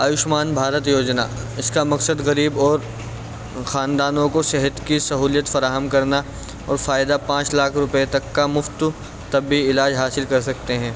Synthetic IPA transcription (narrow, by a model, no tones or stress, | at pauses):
aːjʊʃmaːnbʱaːɾət̪joːd͡ʒna̰ɪskamɐksəd̪ɣɐɾiːbɔːɾ | xaːnd̪aːnõkosɛɦət̪kisɐɦuːlijət̪fɐɾaːɦəmkɐɾna | ɔ̰ːɾfaːjɪd̪apãːt͡ʃlaːkʰɾʊpet̪ɐkːamʊft̪ | t̪ɐbiɪlaːd͡ʒɦaːsɪlkɐɾsɐkt̪eɦɛ̃ː